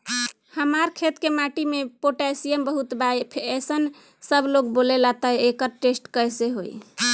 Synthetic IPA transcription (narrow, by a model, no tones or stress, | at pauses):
həmaɾkʰet̪kemaʈimepoʈasijəmbəɦut̪bajpʰesən | səbʱlokbolelat̪əekəɾʈesʈkəjseɦo̰j